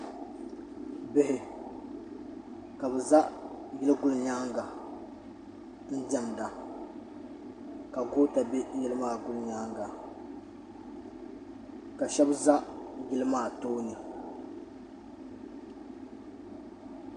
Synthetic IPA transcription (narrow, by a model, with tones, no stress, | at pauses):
bɪ˦ɦɪ˦ | ka˨bɛ˨za˦ʔjɛ˦lɨ˦ɡʊ˦lɲa˦ŋɡa˨ | n̩˦d͡ʒɛ˦mda˨ | ka˨ɡo˦ta˨bɛ˦jɛ˦lɨ˦maː˦˨ɡʊ˦lɲa˦ŋɡa˨ | ka˨ʃɛ˦bza˦ʔjɛ˦lɨ˦maː˦˨toː˦nɨ˨